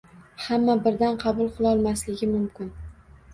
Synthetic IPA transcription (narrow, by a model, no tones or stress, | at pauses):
hamːabɪɾd̪anqʰɑbʊlˠqʰɨlˠɒlˠmaslɪɡʲɪmʊmkʲɪn